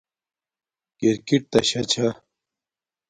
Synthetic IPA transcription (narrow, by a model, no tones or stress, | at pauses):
kiɾkiʈ̚t̪ɐɕɐt͡ɕʰɐ